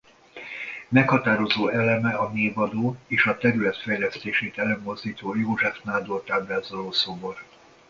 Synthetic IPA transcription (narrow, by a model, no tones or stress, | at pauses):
mɛkhɒt̪aːɾo̞zoːɛlɛmɛɒneːvɒd̪oːeːʃɒt̪ɛɾylɛt̪fɛjlɛst̪eːʃeːt̪ɛløːmːo̞zd̪iːt̪oːjoːʒɛfnaːd̪ort̪aːblaːzɒloːsobor